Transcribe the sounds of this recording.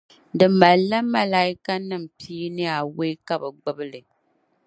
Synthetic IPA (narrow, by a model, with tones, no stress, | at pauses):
dɨ˨ma˨la˦ma˦la˦i˦ka˦nɨ˦˨m̩˨piː˦nɨ˦a˨we˦ka˦bɛ˨ɡ͡bʊ˦bɨ˦lɨ˨